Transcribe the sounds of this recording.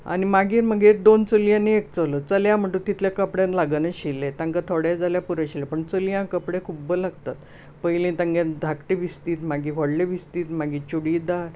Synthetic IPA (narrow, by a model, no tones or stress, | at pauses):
a̰nimaɡiːɾm̤əɡeɾd̪ont͡səlijãnːiek̚t͡sələt͡səljam̤əɳʈ̪ut̪it̪ljakəpɽjãnlaɡənəɕilːet̪ãŋkat̪ʰoɽjad͡zʱaljapuɾəɕilepəɳt͡səlijãkəpɽẽkʰubəlaɡt̪at̪ | pəilẽt̪ãŋɡãnd̪ʱakʈeʋist̪iːt̪maɡiɦəɽleʋist̪iːt̪maɡiːt͡ɕuɽiːd̪a